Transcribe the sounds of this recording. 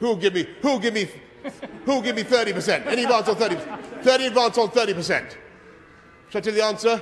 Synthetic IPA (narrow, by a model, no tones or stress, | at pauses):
huɡɪvmihuɡɪvmi | hulˠɡɪvmiθɜˑ˞ɾipəsɛ̃ntɛñiɨdvãntsn̩θɜˑ˞ɾipəθɜːˑɾiədvãnsn̩θɜːˑɾipəsɛ̰̃nt | ʃʰaɪtʰɛlˠðiãnsə